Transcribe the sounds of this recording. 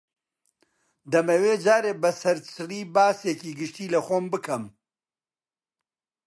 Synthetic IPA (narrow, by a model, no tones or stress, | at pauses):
d̪ɐmeweːd͡ʒaːɾeːbɐsɐɾt͡sʰɨriːbaːseːkiːɡɨʃtiːlɐxoːmbɨkʰɐm